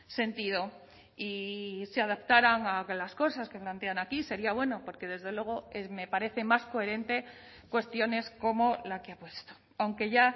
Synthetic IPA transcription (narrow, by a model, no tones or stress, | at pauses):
se̞nt̪iðo̞ | iseaðapt̪aɾaŋalasko̞saske̞plant̪e̞anakise̞ɾiaβ̞we̞no̞po̞ɾke̞ðe̞zðe̞lwe̞ɣ̞o̞eme̞paɾe̞θe̞masko̞e̞ɾe̞nt̪e̞ | kwe̞st̪jo̞ne̞skomo̞lakeapwe̞st̪o̥ | awŋke̞ʝa